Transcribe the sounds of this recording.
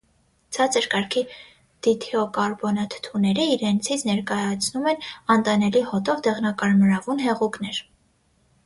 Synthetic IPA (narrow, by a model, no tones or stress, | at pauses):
t͡sʰɑt͡sʰəɾkɑɾkʰi | d̪̥it̪ʰɛɔkɑɾbɔnɑt̪ʰt̪ʰunɛɾiːɾɛnt͡sʰit͡sʰnɛɾkɑjɑt͡sʰnumɛnɑnt̪ɑnɛlihɔt̪ɔvd̪ɛʁnɑkɑɾməɾɑvunɦɛʁuknɛɾ